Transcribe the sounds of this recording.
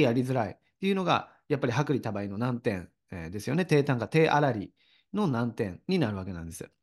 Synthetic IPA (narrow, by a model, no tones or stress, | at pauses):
jaɾʲizɨɾai | t̪ːe̞iɯ̟no̞ɡa̰ | japːaɾʲiɦakɯ̟ɾʲit̪abaino̞nãnt̪ẽ̞̰n | ed̪e̞sɨjo̞ne̞t̪e̞ːt̪ãŋɡat̪e̞ːʔaɾaɾʲi | no̞nãnt̪ẽ̞nɲ̟ːinaɾɯ̟βake̞nã̰nd̪esɨ̥